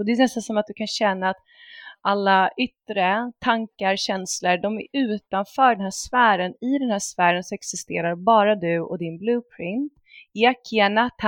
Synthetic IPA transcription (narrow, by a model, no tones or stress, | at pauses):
ɔd̪ɛːnɛst̪ansɔmat̪̚d̪ɵkʰanɕɛnːaːt̪ | ʔalːaʏt̪ɾət̪ʰaŋkaɾɕɛnsləɖɔmæ̰ɾʉ̟ːt̪anfœːɖɛnɦæːʂfæːɾənɪd̪ɛnhæːʂfæːɾənsɔɛksɪst̪ḛːɾaɾbɑːɾad̪ɵɔ̰d̪ɪnblʉːpʰɾɪnt̪ | akʰːɛnat̪ʰ